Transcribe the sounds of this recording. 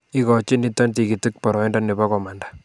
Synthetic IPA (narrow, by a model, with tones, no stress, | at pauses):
i˦kɔ˨t͡ʃɪ˦ni˦tːɔ˦nti˨ki˨ti˦k̚pɔ˨ɾɔ˨i˦nda˦ne˨ba˦kɔ˨ma˨nda˦